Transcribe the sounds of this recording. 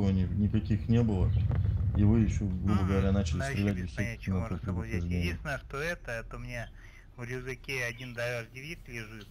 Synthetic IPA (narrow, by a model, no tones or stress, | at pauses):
vənʲɪnʲɪkɐkʲixnʲe̞bɨlˠəivɨjɪɕːoɡɾubəɡəvɐɾʲanat͡ɕɪlʲɪsɾʲɪlʲæt̚ʲdɪst̪inɐotʲznʲeisnəʂt̪oɛt̪əɛt̪omʲɪnʲa | vlʲuzɨkʲeɐdʲind̪ɐɾʲaʐdʲɪvʲiklʲɪʐɨt̪